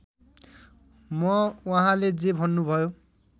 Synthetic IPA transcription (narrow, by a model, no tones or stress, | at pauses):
mʌwaɦãled͡zebʱʌnːubʱʌjo